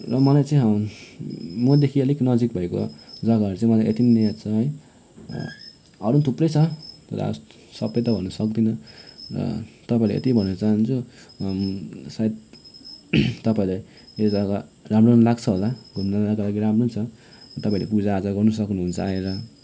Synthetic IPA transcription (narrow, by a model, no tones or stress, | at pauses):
rʌmʌlajt͡saĩɦʌ | mʌd̪ekʰiʌliknʌd͡zik̚bʱʌeko̰d͡zʌɡaɦʌɾut͡sãĩmʌlajʔet̪innejat͡sʰʌɦʌj | ʌɾunt̪ʰuprʌjt͡sʰʌtʌɾ̰a̰s | sʌbʌjt̪ʌbʱʌnːusʌkd̪inʌrʌ̰t̪ʌpaĩla̰ḛt̪ibʱʌnːt͡saɦnt͡sʰu | sait̪̚ | t̪ʌpaĩlaj | ed͡zʌɡaramronlaɡt͡sʰʌɦolaɡʱumnalakalaɡiɾamrunʰʌ | t̪ʌpaĩlḛpud͡zaːd͡zaɡʌrnus̬ʌknuɦunt͡sʰʌaeɾʌ